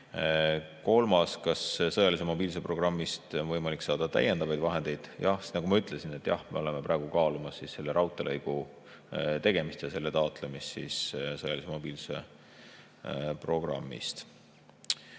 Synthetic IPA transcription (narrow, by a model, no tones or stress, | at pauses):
ko̞lmɑskɑssɤjɑlis̬emo̞biːlse̞pro̞ɡ̥rɑmːist̪onvɤjmɑliksɑːd̪̥ɑt̪æ̰jend̪ɑvɑjd̪vɑɦe̞nd̪̥e̞jd̪̥jɑht̪nɑɡumɑyt̪ˑle̞sinet̪ːˑjɑ̰hme̞o̞le̞meprɑeɡ̥ukɑːlumɑsːisse̞lːe̞ɾɑwt̪ːˑelʔɤjɡ̥u | t̪e̞ɡ̥e̞mist̪jɑse̞lːe̞t̪ɑot̪ˑle̞mist̪sissɤjɑlisemo̞b̥iːlse | pro̞ɡ̥rɑ̰mːḭst̪